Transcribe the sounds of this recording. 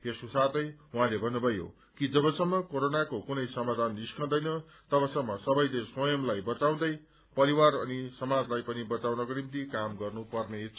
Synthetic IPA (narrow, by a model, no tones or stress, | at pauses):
eskosat̪ʌjwãlebʱʌnːubʱʌjo̰ | kid͡zʌbʌsʌmːʌkoɾonakokunʌjsʌmad̪ʱanːiskʌd̪ʌjnʌ | t̪ʌbʌsʌmːʌsʌbʌjleswʌjʌmlajbʌt͡saw̃d̪ʌj | pʌɾiwarʌnisʌmad͡zlajpʌnibʌt͡sawnʌkonimt̪̬ikamɡʌrnupʌrnet͡sʰ